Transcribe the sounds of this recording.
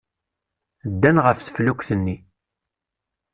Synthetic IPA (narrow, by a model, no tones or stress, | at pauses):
d̪ːænʁəfθə̥flukʷθənːi